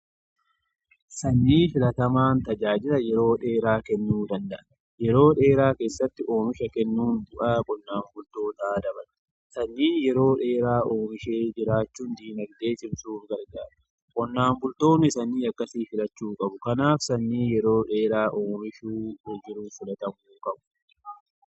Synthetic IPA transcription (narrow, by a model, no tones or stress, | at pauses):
sɐnːiːfɪlɐt̪ɐmaːnt̪ɐd͡ʒaːd͡ʒɪlɐjɛɾo̞ːᶑe̞ːɾaːkɛnːuːd̪ɐnd̪ɐʔɐ | jɛɾo̞ːᶑe̞ːɾaːke̞ːsːɐt̪ːɪʔo̞ːmɪʃɐkɛnːuːnd̪ʊʔɐkʼɔnːaːmbʊlt̪o̞ːt̪aːd̪ɐbɐl | sɐnːiːjɛɾo̞ːᶑe̞ːɾaːʔoːmɪʃe̞ːd͡ʒɪɾaːt͡ʃːuːnd̪iːnɐɡd̪e̞ːt͡ʃɪmsuːfɡɐɾɡaːɾɐ | kʼɔnːaːmbʊlt̪o̞ːnːɪsɐnːiːɐkːɐsiːfɪlɐt͡ʃːuːkʼɐbʊkɐnaːfsɐnːiːjɛɾo̞ːᶑe̞ːɾaːʔoːmɪʃuːd͡ʒɪɾuːfɪlɐt̪ɐmuːkʼɐbʊ̥